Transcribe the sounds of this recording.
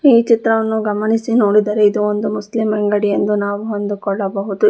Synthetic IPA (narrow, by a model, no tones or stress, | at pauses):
iːt͡ʃit̪ɾɐʋɐnːuɡɐmɐnisino̞ːɽid̪aːɾeid̪uond̪umuslimɐŋɡɐɽijend̪unaːʋuɦond̪ukɔɭːɐbɐɦud̪u